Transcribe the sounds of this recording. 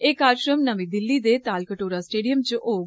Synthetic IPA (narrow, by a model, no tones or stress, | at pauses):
eːkaːɾʃɾəmnəʋĩːd̪ɪlːiːd̪eːt̪aːlkəʈoːɾaːsʈeːɖijəmt͡ʃʔoː